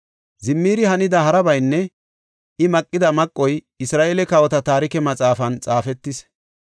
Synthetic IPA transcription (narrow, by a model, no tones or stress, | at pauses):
zɪmːiːɾɪɦɐnɪd̪ɐɦɐɾɐbɐjnːɛ | ɪmɐkʼːɪd̪ɐmɐkʼːɔj | ɪsɾaːʔeːlɛkɐwɔt̪ɐt̪aːɾɪkɛmɐt͡sʼaːfɐnt͡sʼaːfɛt̪ːɪs